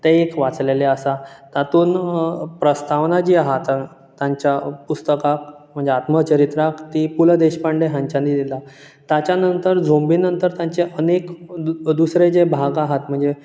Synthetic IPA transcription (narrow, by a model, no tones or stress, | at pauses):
t̪eekʋat͡sleleasat̪at̪uːnpɾəst̪aʋnad͡ʑiːaɦat̪ | t̪ːjaɲt͡ɕjapust̪əkak̚m̤əɳd͡zeat̪mət͡ɕəɾit̪ɾakt̪ipuləd̪eɕpaɳɖeɦãɲt͡ɕanid̪ila | t̪jat͡ɕjanənt̪əɾd͡zʱombiːnənt̪əɾt̪jãɲt͡seʔənekd̪usɾed͡zebʱaɡaɦat̪̚m̤əɳd͡ze